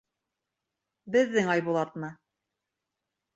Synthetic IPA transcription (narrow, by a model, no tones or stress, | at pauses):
bɘ̆ðːɘŋɑjβulˠɑt̪nɤ